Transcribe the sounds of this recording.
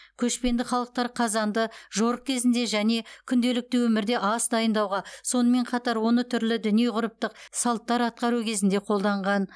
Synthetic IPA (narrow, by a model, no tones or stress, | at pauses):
kʲʰɵʃpe̞nd̪ɪχɑlˠəq̚t̪ɑɾqʰɑzɑnd̪əʒo̞ɾəq̚kʲʰe̞zɪnd̪e̞ʒæne̞kʲʰʏnd̪e̞lɪk̚t̪ɪwɵmɪɾd̪e̞ʔɑsd̪ɑjənd̪ɑwʁɑso̞nəme̞ɴqʰɑt̪ɑɾwo̞nət̪ʰʏɾlɪd̪ʏnije̞ʁʊɾəp̚t̪əqsɑlˠt̪ːɑɾɑt̪̚qɑɾukʲʰe̞zɪnd̪e̞qʰo̞lˠd̪ɑɴʁɑn